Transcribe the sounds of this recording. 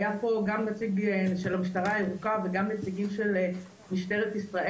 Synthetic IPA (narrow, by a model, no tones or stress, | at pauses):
japo̞ɡambet͡siɡeʃe̞lamiʃtaʁaeʁukaveɡambet͡siɡimʃe̞l | miʃte̞ʁet̪isʁaʔe